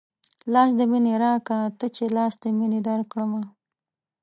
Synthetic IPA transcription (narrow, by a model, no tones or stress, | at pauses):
lɑsd̪əmineɾɑkat̪ət͡ʃelɑsd̪əmined̪aɾkɽəma